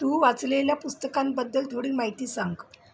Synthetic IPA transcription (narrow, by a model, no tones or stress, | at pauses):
t̪uːʋat͡sleljapust̪əkambəd̪ːəlt̪ʰoɽiːmaɦit̪iːsaŋk